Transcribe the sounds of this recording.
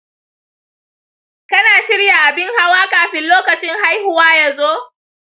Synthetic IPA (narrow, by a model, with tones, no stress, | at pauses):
kɐ˦naː˨ʃɪ˦ɽja˨ʔa˨bɪ˦ŋha˦waː˦kaː˨ɸɪ˦nloː˦kɐ˨t͡ʃɪ˦ŋɦa˦jhʊ˦waː˦ja˦˨zoː˦